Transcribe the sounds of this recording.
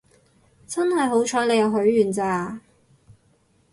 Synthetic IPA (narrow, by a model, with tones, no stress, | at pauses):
t͡sɐ˥nhɐ˨jɦo˨˥wt͡ʃʰɔː˨˥le˨˧jɐ˨˧wɦɵ˨˥ɥːyː˨˩nt͡saː˧